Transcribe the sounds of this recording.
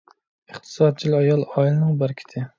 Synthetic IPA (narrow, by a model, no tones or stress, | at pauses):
ɨχt̪ʰɨ̥sɑd̪̚t͡ʃʰilˠɨɑjɑlˠɑilˠɨnɨŋbæɾkʲʰi̥t̪ʰɪ